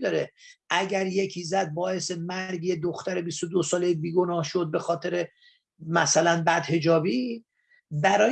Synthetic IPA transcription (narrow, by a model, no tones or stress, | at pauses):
d̪ɒːɾe | ʔæɟæɾje̞cʰiːzæd̪̚bɒːe̞semæɾɡjed̪oxt̪æɾe̞bist̪od̪osɒːlejibiːɡo̞nɒːhʃo̞d̪̚be̞xɒːt̪ʰe̞ɾe | mæsælænbæd̪̥he̞d͡ʒɒːbiː | bæɾɒː